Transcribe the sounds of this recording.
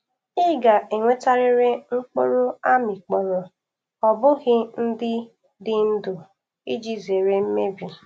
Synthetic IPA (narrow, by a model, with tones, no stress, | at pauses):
ɪ˦ɡa˨ʔe˨ŋʷe˦ta˦ɾɪ˦ɾe˦ŋ͡m̩˦k͡po̰˦ɾo˦a˦mi˨k͡pɔ˨ɾɔ˨ | ɔ˨bʊ˦ɣɪ˦n̩˦dɪ˦ | dɪ˦n̩˦do˨ | i˦d͡ʒi˦ze˨ɾe˦m̩˦me˦bi˨